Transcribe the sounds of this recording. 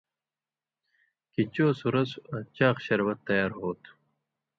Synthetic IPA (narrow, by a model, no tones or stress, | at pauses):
kit͡ɕoːsuɾɐsɐt͡ɕaːqɕɐɾwɐt̪ːɐjaːɾɦoːt̪u̥